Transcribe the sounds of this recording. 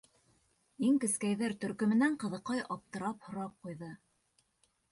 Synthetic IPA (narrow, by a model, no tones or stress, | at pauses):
iŋkɘ̆skæjðæɾt̪ɵ̆ɾkɵ̆mɘ̆næɴqɤ̆ðɤ̆qɑjʔɑp̚t̪ɤ̆ɾɑphŏɾɑp̚qujðɤ